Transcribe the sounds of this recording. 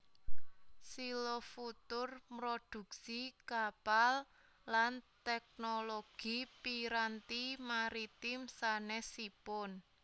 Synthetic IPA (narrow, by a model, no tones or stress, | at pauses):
silofut̪ʊrpɾod̪̥ṳk̚sikapalː | ant̪ɛk̚noloɡ̥ipiɾant̪imaɾit̪imsanɛsipʊn